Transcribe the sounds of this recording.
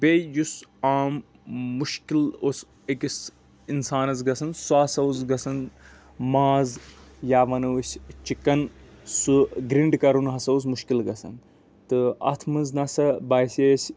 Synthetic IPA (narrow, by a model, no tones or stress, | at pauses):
bejusaːmː | uʃkilos | ekʲis | insaːnɐzɡɐsɐnsuaːsɐuzɡɐsɐn | maːzjaːʋɐnɐwusʲt͡ʃikːɐnsuɡɾiɳɖkɐɾunɦɐsɐuzmuʃkilɡɐsɐ̰n | t̪ɨɐ̰t̪ʰmɨnznɐsɐbaːjsʲeːsʲ